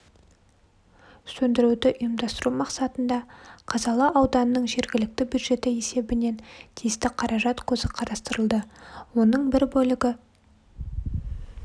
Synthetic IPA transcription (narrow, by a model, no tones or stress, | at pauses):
sɵnd̪ɪɾud̪ɪʔʊjəmd̪ɑst̪əɾumɑqsɑt̪ənd̪ɑqʰɑzɑlˠɑʔɑwd̪ɑnənəɴʒe̞ɾɡʲɪlɪk̚t̪ɪbʲjud̪ʒe̞t̪ɪe̞se̞bɪne̞nt̪ʰijɪst̪ɪqʰɑɾɑʒɑt̪kʲʰɵzɪqʰɑɾɑst̪əɾəlˠd̪əwo̞nəɴbɪɾbɵlɪɡʲɪ